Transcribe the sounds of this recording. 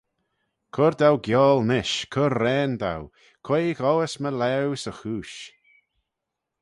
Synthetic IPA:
kʰʊɾd̪awɡjɔːlˠnɪʃkʰʊɾːɛːnd̪a̰w | kʰweːɣɔwəsməlɛwsəxuːʃ

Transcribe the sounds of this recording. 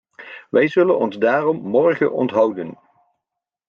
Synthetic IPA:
ʋʔɛjzɵlənɔnzdaːrɔmːɔɹχə̰ʔɔ̰ntɦɑwdən

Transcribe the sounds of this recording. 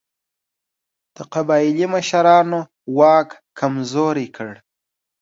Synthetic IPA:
d̪̥əqabɑɪliməʃaɾɑno | wɑkkʰamzoɾekʰəɽ

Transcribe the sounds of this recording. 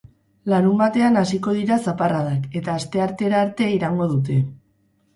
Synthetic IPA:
laɾumbat̪e̞anasiko̞ð̞iɾasaparaðake̞t̪aːst̪e̞aɾt̪e̞ɾaːɾt̪e̞iɾaŋɡo̞ð̞ut̪̬e̞

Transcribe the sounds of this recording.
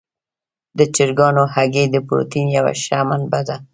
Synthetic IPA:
d̪ət͡ʃɪɾɡɑnohaɡed̪əpɾo̰t̪injawa̰ʃamanbaza

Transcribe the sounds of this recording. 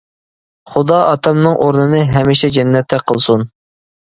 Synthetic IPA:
χud̪ɑʔɑt̪ʰɑmnɨŋʔoɾnɨnɨɦɛmiʃɛd͡ʒɛnːɛt̪ʰːɛqʰəlˠsun

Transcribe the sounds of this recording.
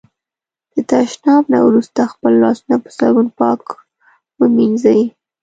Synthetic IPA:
d̪̥ət̪aʃnɑbna̰wɾust̪axpəlːɑsunapə̥saɡunpɑk | wəminzawi

